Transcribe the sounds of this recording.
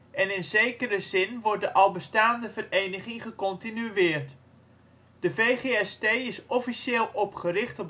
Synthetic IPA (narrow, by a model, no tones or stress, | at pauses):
ʔɛnɪnzejkəɾəzɪnʋɔrt̚dəʔɑlˠbəstaːndəvərejnəχɪŋχəkɔntinyɪːrt | d̥əvejχeɛstejɪsɔfiʃeːlˠʔɔpχərɪχtɔp̚